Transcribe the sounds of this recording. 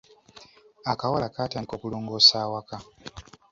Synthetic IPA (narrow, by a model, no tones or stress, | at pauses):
akawalakatankokuloːŋɡosaːwaka